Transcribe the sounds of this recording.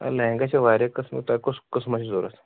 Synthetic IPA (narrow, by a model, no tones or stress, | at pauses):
a̰lɛ̃ŋɡat͡ɕaʋaɾjakəsmḭt̪akoskəsmaɕid͡zoɾas